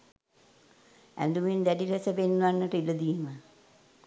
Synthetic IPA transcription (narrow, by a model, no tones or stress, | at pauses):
æ̰nd̪umind̪æɖiɾɛsəpenːuʋanːəʈəilɐd̪ijemə